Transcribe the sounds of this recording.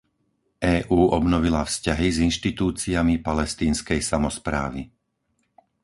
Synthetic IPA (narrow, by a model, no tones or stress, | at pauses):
ʔɛːʔuːʔɔbnɔʋilafscaɦizinʃt̪it̪uːt͡siamipalɛst̪iːnskɛjsamɔspɾa̰ːʋḭ